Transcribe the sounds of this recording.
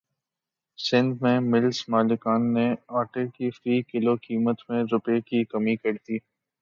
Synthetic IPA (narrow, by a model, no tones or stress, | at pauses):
sɪ̃nd̪mẽmɪlsmaːlɪkaːnːeaːʈekifɾiːkɪlokiːmət̪mẽɾʊpekikɐmikɐɽt̪iː